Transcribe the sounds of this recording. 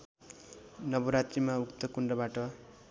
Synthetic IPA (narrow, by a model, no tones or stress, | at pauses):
nʌbuɾat̪rimaukt̪ʌkuɳɖʌbaʈʌ